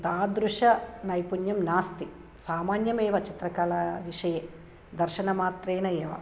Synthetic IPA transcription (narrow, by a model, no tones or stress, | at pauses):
t̪aːd̪ɾuʂɐnɐjpunjɐmnaːst̪i | saːmaːnjɐmeːʋɐt͡ʃit̪rɐkaːlɐʋiʂɐje | d̪ɐrʃɐnɐmaːt̪reːnɐeːʋɐ̰